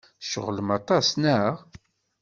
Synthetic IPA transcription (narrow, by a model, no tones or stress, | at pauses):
ʃə̰ʁləmɑt̪ˤɑsnəʁ